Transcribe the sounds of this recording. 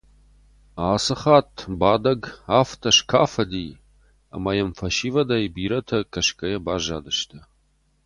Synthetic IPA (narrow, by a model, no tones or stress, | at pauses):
aːsɨχaːtʰbaːdɐɡaːftʰɐʂkʰaːfɐdiː | a̰mɐjɛmfɐʃiːvɐdɐjbiːɾɐtʰɐkʰɐʃkʼɐjɐbaːʒa̰ːdɨʃtʰɐ